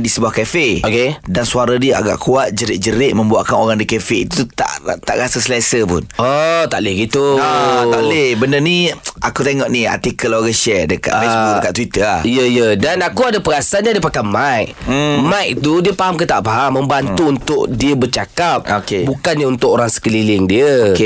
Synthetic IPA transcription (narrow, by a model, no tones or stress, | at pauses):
ndisəbuahkefeokedansuaɾadiəa̰ɡa̰ʔkuat̪̚d͡ʒəɾɪʔ̚d͡ʒəɾɪʔ̚mə̃mbuaʔkanoɾaŋdikefeit̪ut̪a̰ʔt̪a̰ʔɾasəslasəpʊ̰not̪aʔlehɡit̪uaaʔlebənərniakut̪eŋɔʔnia̰rt̪ikəloɡaʃɛdəkat̪fesbuk̚dəkat̪t̪ːwit̪əlahijəijədanakuadapəɾasandadiəpakajmajʔmãjʔ̚it̪udiəpaɦamkət̪aʔpaɦamːə̃mbant̪uunt̪ʊʔdiəbərt͡ʃakap̚okebukanɲəunt̪ʊkoɾaŋsə̥kəlilɪŋdiəke